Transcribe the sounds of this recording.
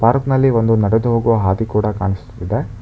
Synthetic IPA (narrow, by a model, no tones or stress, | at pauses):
paːɾknɐlːiʋo̞nd̪unɐɽed̪uɦoːɡuʋɐɦaːd̪ikuːɽɐkaːɳisu̥t̪ːid̪id̪e